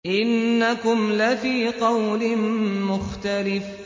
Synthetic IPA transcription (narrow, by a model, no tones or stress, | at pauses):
ʔɪnːakʊmlafiːqɑwlɪmʊxt̪alɪf